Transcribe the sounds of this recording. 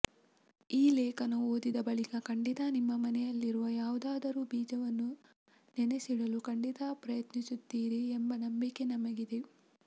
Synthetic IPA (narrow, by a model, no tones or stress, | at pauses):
iːlɛːkɐnuoːd̪id̪ɐbɐɭikɐkɐɳɖit̪ɐnimːɐmɐnɛjɐlːiɾuʋɐjaːʋud̪aːd̪ɐɾubiːd͡ʒɐʋɐnːu | nenesiɽɐlukɐɳɖit̪apɾɐjɐt̪nisut̪ːiːɾiːmbɐnɐmbike̞nɐmɐɡid̪e